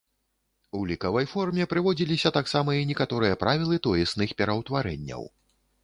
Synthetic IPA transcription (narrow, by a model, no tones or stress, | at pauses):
ulʲikɐvɐjfɔrmʲɛpɾɨvɔd͡zʲilʲisʲɐt̪aksamɐinʲɛkat̪ɔɾɨjɐpɾʔavʲilˠɨt̪ɔjɛsnɨxpʲɛɾɐwt̪vaɾɛ̰nʲːɐ̰w